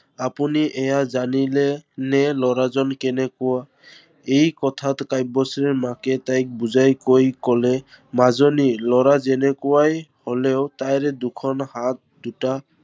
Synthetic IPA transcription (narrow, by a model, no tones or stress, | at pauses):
apuniʔɛjazanilɛnɛlɔɹazɔnkɛnɛkɔwa | ejkɔtʰatkaj̚bɔsɹɛɹmakɛtajk̚buzajkojkɔlɛ | mazɔnilɔɹazɛnɛkʊwajholɛʊtajɹɛdukʰɔnhat̚duta